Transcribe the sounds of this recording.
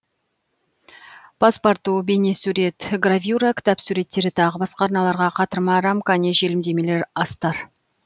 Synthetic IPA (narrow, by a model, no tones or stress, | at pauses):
pʰaspaɾt̪ːube̞ne̞suɾe̞t̪ɡravʲjuɾakʲɪ̥t̪ɑpsuɾe̞t̪ːe̞ɾɪt̪ʰɑʁəbɑsqɑːɾnɑlˠɑɾʁɑqʰɑt̪əɾmɑɾamkaneʒe̞lɪmd̪e̞me̞le̞ɾɑst̪ɑɾ